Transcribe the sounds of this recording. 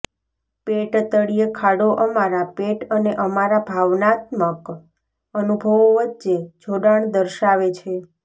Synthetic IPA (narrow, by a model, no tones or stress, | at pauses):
peʈt̪əɽijəkʰaɽoʔəmaɾapeʈəneʔəmaɾabʱaʋnat̪mək | ənubʱəʋoʋətːt͡ʃed͡ʒʱoɽaɳd̪əɾʃaʋet͡ʃʰe